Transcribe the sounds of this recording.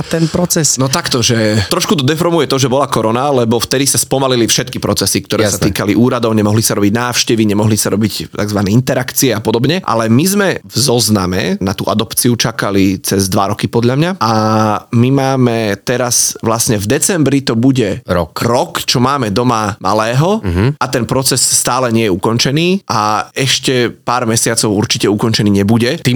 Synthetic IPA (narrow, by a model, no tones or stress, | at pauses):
t̪ɛnpɾɔt͡sɛsnɔt̪akt̪ɔʒɛt̪ɾɔʃkut̪ɔd̪ɛfɾɔɾmujɛt̪ɔʒɛbɔlakɔɾɔnalɛbɔft̪ɛd̪isaspɔmalilifʃɛt̪kipɾɔt͡sɛsik̚t̪ɔɾɛːsat̪iːkaliʔuːɾad̪ɔʊɲɛmɔɦlisaɾɔbiɟnaːfʃcɛʋiɲɛmɔɦlisaɾɔbict̪a̰ɡzʋanɛint̪ɛɾakt͡siɛapɔd̪ɔbɲɛʔa̰lɛmizmɛvzɔznamɛ̰nat̪ṵːʔa̰d̪ɔpt͡siut͡ʃakalit͡sɛzd̪ʋaɾɔkipɔd̪ʎamɲaʔamimaːmɛt̪ɛɾasʋlasɲɛvd̪ɛt͡sɛmbɾit̪ɔbuɟɛɾɔkɾɔkt͡ʃɔmaːmɛd̪ɔmama̰lɛːɦɔat̪ɛnpɾɔt͡sɛsːt̪aːlɛɲɪɛjɛukɔnt͡ʃɛniːʔaɛʃcɛpaːɾmɛsɪat͡sɔʊuɾt͡ʃicɛukɔɲt͡ʃɛniːɲɛbuɟɛt̪iːm